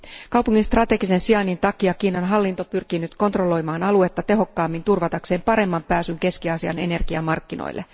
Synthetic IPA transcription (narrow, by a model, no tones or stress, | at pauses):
kɑwpuŋːinst̪rɑt̪e̞ɡise̞nsiɑnːint̪ɑkiɑkiːnɑnɦɑlːint̪o̞pyrkinyt̪ko̞nt̪ro̞lo̞jmɑːnɑlue̞t̪ːɑt̪e̞ɦo̞kːɑːmːint̪urʋɑt̪ɑkse̞ːmpɑɾe̞mːɑmpæːsyŋke̞skiɑsiɑ̰ne̞̰ne̞rɡ̥iɑmɑrkːino̰jlːʔe